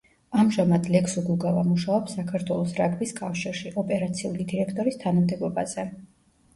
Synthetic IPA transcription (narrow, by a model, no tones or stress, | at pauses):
amʒamad̪lɛksuɡuɡavamuʃaɔpsakʰaɾt̪ʰwɛlˠɔsɾakʼbiskʼafʃiɾʃiʔɔpʼɛɾat̪sʰiṵlid̪iɾɛkʰt̪ʼɔɾist̪ʰanamd̪ɛɡɔba̰z̥ɛ